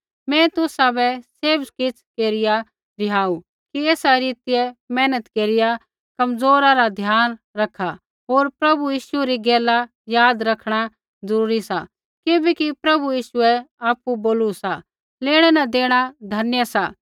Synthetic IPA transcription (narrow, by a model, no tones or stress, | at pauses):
mɛ̃t̪ʊsabɛseːbkɪt͡sʰkeːɾɪja | bɪjaːu | kiɛːsaɾiːt̪ijɛmɛːnət̪keːɾɪja | kɐmzoːɾaɾad̪ʱjaːnɾɐkʰːa | ɦoːɾpɾɐbujiːʃuɛɾiɡɛːla | jaːd̪ɾɐkʰɽ̃a | zɐɾuːɾisa | kɪbɛkipɾɐbujiːʃʊɛaːpuboːlusa | leːɽ̃ɛnãd̪eːɽ̃ad̪ʱɐnjəsa